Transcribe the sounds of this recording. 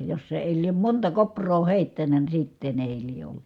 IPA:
jos se eˑi liem montɑ koprˑoː heˑitːænæ ni sitːen eˑi lie olːu̥

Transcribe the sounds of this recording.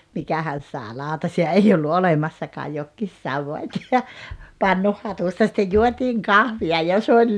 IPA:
mikæhæn̞ sɑːĕ lɑˑutɑsiɑ ei olːu olemɑsːɑkɑː jokːiːs sɑʋːɑtʲ jɑ pɑnːuhːɑtustɑ sitːej juotiːŋ kɑhʋiɑ jɑ s olʲ

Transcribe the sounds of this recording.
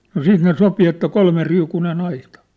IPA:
no siːt ne sopi etːæ kolmeriukunen ɑitɑ̥

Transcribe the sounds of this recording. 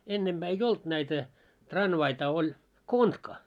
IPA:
enːemb̥æː ei olt næitæ trɑnʋɑitɑ olʲ kontkɑ

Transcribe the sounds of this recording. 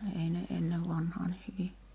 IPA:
ei ne enːeʋ ʋɑnhɑː ni hyʋi

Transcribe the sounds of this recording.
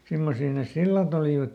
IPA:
simːosiː nes silːɑt oliˑʋɑt

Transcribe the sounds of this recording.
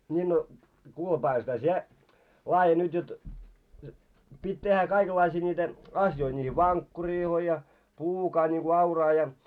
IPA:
nʲiː no kuːle pɑːʋɑlsetæ sie lɑːje nyt jot pitʲ tehːæ kɑikelːɑisiː nʲiːtæ ɑsjoi niːhi ʋɑnkːuriːloi jɑ pluːkɑː niŋku ɑurɑː jɑ

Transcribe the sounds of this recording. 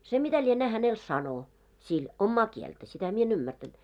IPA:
se mitæ lienæː hænel sɑno sil omːɑː kieltæ sitæ mie en ymːærtænt

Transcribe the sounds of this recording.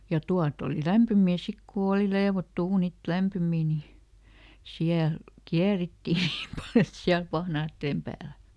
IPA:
jɑ tuɑt oli læmpymiː sik ku oːli leːʋotːu uːnit læmpymiː ni siæl kiæritːiˑ niːm pɑl et siæl pɑhnɑːtːeːm pæːl

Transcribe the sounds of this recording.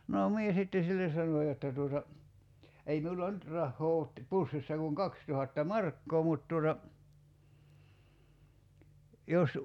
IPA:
noː mie sitːe silːes sɑno jotːɑ tuotɑ ei miulɑ nyt rɑhːoː oːt pusːisːɑ kuŋ kɑkstuhɑtːɑ mɑrkːoː mut tuotɑ jos

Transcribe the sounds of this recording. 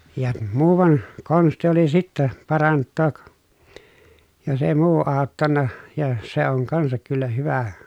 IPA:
jɑ muːʋɑn konsti oli sitːæ pɑrɑntːoːk jos eˑi muː ɑˑotːɑnːɑ jɑ se oŋ kɑnsɑk kylːæ hyʋæ

